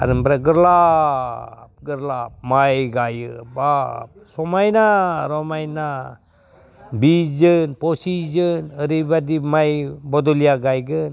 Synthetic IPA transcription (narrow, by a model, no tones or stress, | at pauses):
a̰ɾəmbɾaɡəɾla | p̚ɡəɾlap̚majɡajəbap̚somajnaɾomajna | bid͡ʒənposid͡ʒənəɾibadimajbod̪uliaɡajɡən